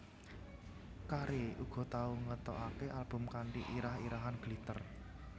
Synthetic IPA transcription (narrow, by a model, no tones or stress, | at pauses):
kaɾeuɡ̥ɔ̤t̪auŋət̪ɔ̰ʔakeʔalb̥ʊ̤mkaɳʈiʔiɾahiɾaɦanɡ̥lit̪ər